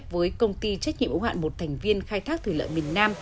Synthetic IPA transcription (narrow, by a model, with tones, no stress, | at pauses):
vəː˨˦jkə˧wŋ͡mt̪i˧t͡ɕɛ˦˥t̚ɲḭ˧ə˨ʔə˨˦nha̰ː˧˨nmo˨˩t̚t̪ʰɛ˨˩jŋ̟vi˧ənxaː˧jt̪ʰaː˦˥k̚t̪ʰɨ˨˩lə̰ː˧˨jmi˨˩ənnaː˧m